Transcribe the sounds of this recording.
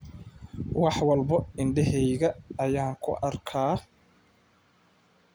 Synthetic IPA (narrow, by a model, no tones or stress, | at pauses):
wɑħwɑlbɐɪɳɖɛɦɛjɣɐːjaːŋkʰʊ̰ʔɐrkʰaː